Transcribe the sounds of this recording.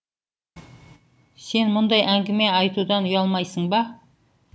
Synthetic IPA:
se̞nmʊnd̪ɑjʔæŋɡʲɪme̞ɑjt̪ud̪ɑnʊjɑlˠmɑjsəɴbɑ

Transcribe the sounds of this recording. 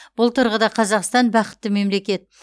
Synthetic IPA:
b̥ʊlˠt̪ʰʊɾʁəd̪ɑqʰɑzɑqst̪ɑnbɑqə̥t̪ːɪme̞mle̞kʲe̞t̪̚

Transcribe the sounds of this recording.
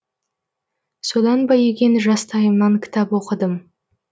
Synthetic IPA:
so̞d̪ɑnbɑjeɡʲe̞nʒɑst̪ʰɑjəmnɑŋkʲʰɪ̥t̪ɑpwo̞qəd̪əm

